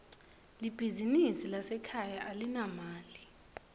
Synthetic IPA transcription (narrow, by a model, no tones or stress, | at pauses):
lib̥ʱizinisilasɛkʰajaʔalinamaːli